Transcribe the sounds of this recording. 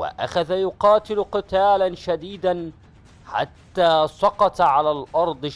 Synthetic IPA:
wɪ̰ʔa̰xaðajʊqɑːt̪ɪlqɨt̪aːlanʃad̪iːd̪an | ħa̰t̪ːaːsˤɑqɑt̪ʕalaːlʔɑɾˤd̪ˤ

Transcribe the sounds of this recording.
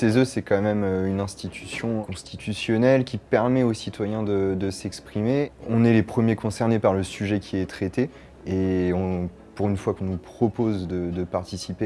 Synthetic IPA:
ʃezøsɛkɑ̃mɛmynɛ̃st̪it̪ʰysjɔ̃kɔ̃st̪it̪ʰysjɔnɛlkʲipɛʁmɛosit̪wajɛ̃d̪əd̪əsɛkspχimeɔ̃nɛlepχəmjekɔ̃sɛʁnepaʁləsyʒɛkʲʰiɛt̪χet̪e | eɔ̃ | puʁynfwakɔ̃nupχɔpozd̪əd̪əpaʁt̪isipe

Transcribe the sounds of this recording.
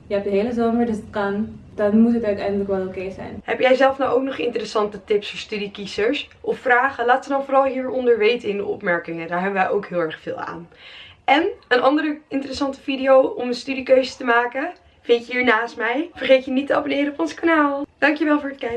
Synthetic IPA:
jəɛp̚dəɦejləzoːməɹdəsətkɑnd̥ɑnmutɦətœɥtɛjndələkʋɛlˠokejzɛ̰jnɦɛpjɛjzɛlˠfnawʔowknɔχɪ̰ntərəsɑntətɪpsɔstydikizəɹsʔɔfːraːχəlaːtʋədɑnvʊːɾɑlˠɦiːɹɔndəɹʋejtəɪndəɔ̰pmɛɹkɪŋədaːɹɦɛbəʋɛjʔowkɦɪːlˠɛɹχfɪ̰ːlˠa̰ːnɛnənɑndəɾəɪntərəsɑntə̥vidiowɔmənstydikøɥzətəmaːkə | v̥ɪntəɦiːɹnaːstmɛjv̥əɹχejtənitəɑbonɪːɾəɔpɔnsə̥kanaːlˠd̥ɑŋkjəʋɛlˠvʊːɹətkɛj

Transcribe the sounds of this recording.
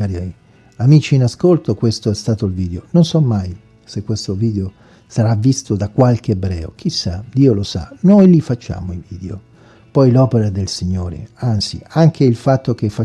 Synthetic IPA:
aɾɛj | amiːt͡ʃiːnaskolt̪okwest̪oɛst̪aːt̪oilviːd̪eononsɔmːaj | sekːwest̪oviːd̪eo | saɾavːist̪od̪akwalk̟eːbɾɛ̰ːo̰k̟isːad̪iːolosa̰nojlifat͡ʃːa̰ːmoiviːd̪eo | pɔjlɔpeɾad̪elsiɲːoːɾḛant̪sḭaŋkʰeilfat̪ːokefːa

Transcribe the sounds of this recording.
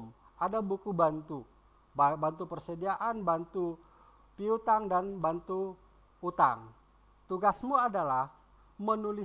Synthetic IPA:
m | adabukubant̪u | bant̪upərsədiaʔanbant̪u | piut̪aŋdanbant̪u | ut̪a̰ŋ | t̪uɡasmuadalah | mənuli

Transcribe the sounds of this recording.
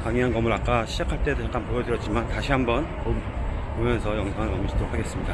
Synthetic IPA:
kaŋiɦankʌmɯɾak͈aɕʰid͡ʑakʰaɭt͈edojak͈anpoʌdɯɾjʌt̚t͡ɕ͈imantaɕʰiɦambʌnkommesʰʌjʌŋsʰoɦankʌmiɕʰidʰoɾokʰaɡe̞s͈ɯmɲida

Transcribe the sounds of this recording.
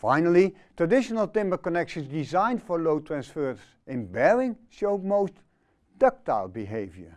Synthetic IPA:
fa̰ɪnəlˠitɹədɪʃənəl̩ˠtɪ̃mbəkɔnɛkʃə̃nsdɪzãɪ̃ndfɔɹloʊtʰɹæ̃nsfɜɹs | ɪ̃nbɛɹɪ̃ŋʃoʊdmoʊst | d̥ʌk̚taɪlˠbiɦeɪvjə̰˞

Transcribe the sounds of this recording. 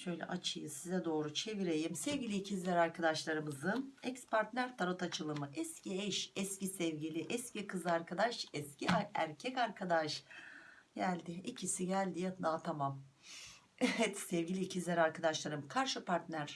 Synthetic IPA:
ʃø̞jlʲɛ̰ʔat͡ʃʰɯjɯsizɛd̪o̞ːɾut͡ʃʰe̞viɾe̞jimsɛvɟilʲiːcʰizlʲɛɾaɾkʰad̪aʃlˠaɾɯmɯzɯnɛcspʰaɾt̪nʲæɾt̪ʰaɾɯt̪at͡ʃʰɯlˠɯmɯʔɛsciɛʃɛscisɛvɟilʲiʔɛscikɯzɯaɾkʰad̪aʃɛsciæɾcʰɛcaɾkʰad̪aʃ | ɟælʲd̪ɪicʰisiɟælʲd̪ijat̪ʰɯnat̪ʰamam | evɛt̪sɛvɡɟilʲiːcʰizlʲæɾaɾkʰad̪aʃlˠaɾɯmkʰaɾʃɯpʰaɾt̪nʲæɾ̥

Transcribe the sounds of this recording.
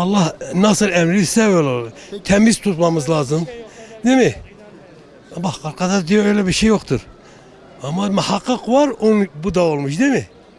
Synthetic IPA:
ɑlˠːɑhnɑsɨlæmɾisɛølt̪ʰɛmizt̪ʰut̪mɑmɯzlɑːzɯmd̪emi | bɑhqɑɾqɑd̪ɑɾd̪ijoøjlɛbiɾʃejːoχt̪ʰuɾ | ɑmːɑmuhaqːɨqvɑɾonbud̪aolˠmuʃd̪emi

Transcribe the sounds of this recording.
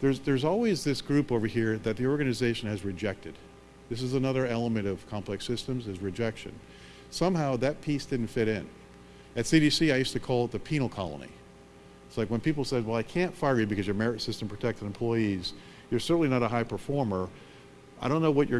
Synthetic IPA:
ðə˞zðə˞zɔlˠwizðɪsɡ̥ɹʉpoʊvə˞hiɹðɨt̪̚ðiɔɹɡɨnɨzeɪʃɨ̃n̩ɨzɹɨd͡ʒɛk̚tɨd̪̚ | ðɪs̬ɨzənʌðə˞ɛlˠəmɨ̃ɾ̃ʌv̥kʰɑ̃mpʰl̥ɛksɪstɨ̃mzɨzɹɨd͡ʒɛkʃɨ̰̃n | sʌ̃mɦaʊðɨt̚pʰisd̥ɪdⁿn̩tfɪɾɪ̃n | ɨtsiɾisiaɪjʉstɨkʰɔlˠət̪̚ðɨpʰĩnl̩ˠkʰɑ̰lˠə̰nḭ | ɪtslaɪkwə̃npipl̩ˠsɛd̚wɛlˠaɪkʰæ̃ntfaɪə˞jɨbɨkʰʌzjə˞mɛɹɨsɪstm̩pʰɹ̥ɨtʰɛk̚tɨ̃nɨ̃mpʰl̥ɔɪiz̥ | jə˞sɜ˞ʔn̩linəɾəɦaɪpʰə˞fɔɹmə˞ | ʔaɪɾõʊ̃nːoʊwʌt͡ʃə˞

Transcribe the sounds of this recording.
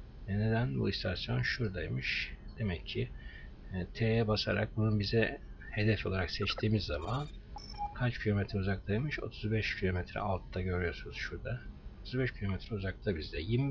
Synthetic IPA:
ne̞d̪ænbṵist̪ʰasjo̞nʃuɾd̪ajmɯʃd̪̥e̞mɛcʰːɪ | t̪ʰejɛbasaɾa̰k̚bununbizɛ | he̞d̪ɛfo̞lˠaɾaksɛt͡ʃt̪ʰiːmizːamankʰat͡ʃcʰilʲo̞met̪ʰɾɛuzak̚t̪ʰajmɯʃo̞̰t̪ʰuzbɛʃcʰilʲo̞met̪ʰɾɛ̰alˠt̪ʰd̪aɟø̞ɾyjo̞sunuz̥ʃuɾd̪aot̪ʰuzbɛʃcʰilʲo̞met̪ʰɾɛuzak̚t̪ʰabizd̪ɛjim

